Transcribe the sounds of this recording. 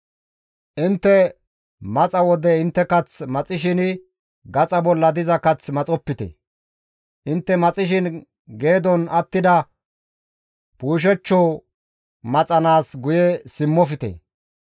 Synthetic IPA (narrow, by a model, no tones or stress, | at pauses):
ʔɪnt̪ːɛ | mɐt͡sʼɐwɔd̪ɛɪnt̪ːɛkɐt͡smɐt͡sʼɪʃ̬ɪnɪ | ɡɐt͡sʼɐbɔlːɐd̪ɪzɐkɐt͡smɐt͡sʼɔpːɪt̪ɛ̰ | ʔɪnt̪ːɛmɐt͡sʼɪʃɪn | ɡe̞ːd̪ɔnɐt̪ːɪd̪ɐ | puːʃ̬ɛt͡ʃːɔ | mɐt͡sʼɐnaːsɡʊjɛsɪmːɔfɪt̪ɛ̰